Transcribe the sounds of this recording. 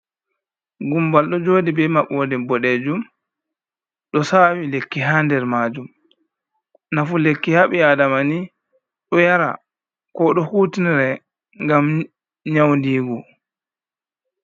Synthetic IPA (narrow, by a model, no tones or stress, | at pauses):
ɡumbalɗɔd͡ʒoːdibɛmaɓoːdɛbɔɗed͡ʒum | ɗɔsawilekːiɦandɛɾmaːd͡ʒum | nafulekːihaɓiadamani | ɗɔjaɾa̰ | kɔɗɔhuːtiniɾɛ | ŋɡam | ɲawndiːɡɔ